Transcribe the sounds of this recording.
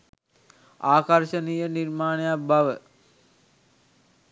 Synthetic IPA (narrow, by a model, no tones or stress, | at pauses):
aːkɐrʃənijənirmaːnejabaʋə